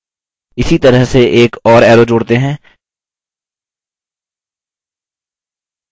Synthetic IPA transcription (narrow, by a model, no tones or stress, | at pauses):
ɪsit̪ɐɾəɦseʔeːkɔːɾɛːɾod͡ʒoːɽt̪eɦɛ̃ː